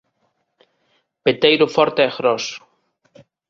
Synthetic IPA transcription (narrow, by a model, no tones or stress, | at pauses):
pet̪ejɾʊfɔɾt̪eeɣɾɔs